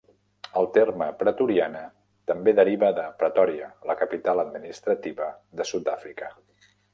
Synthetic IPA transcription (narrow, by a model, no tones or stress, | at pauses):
əlˠt̪erməpɾət̪uɾianə | t̪əmbeðəɾiβəðəpɾət̪ɔɾiələkəpit̪alˠəd̪minist̪ɾət̪iβə | ðəsut̪̚d̪afɾikə